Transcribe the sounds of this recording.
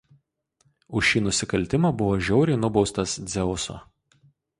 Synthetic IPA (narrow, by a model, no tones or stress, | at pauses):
ʊʃʃʲiːnʊsʲɪkɐlʲt̪ʲɪmɑbʊʋoːʒʲɛʊɾʲɪɪnʊbɒʊst̪ɐsd̪zʲɛʊso̰ː